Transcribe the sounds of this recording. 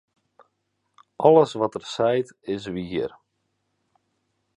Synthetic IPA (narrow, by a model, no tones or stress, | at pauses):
ʔɔləsʋɔtərsɛjtɪs̬ʋiər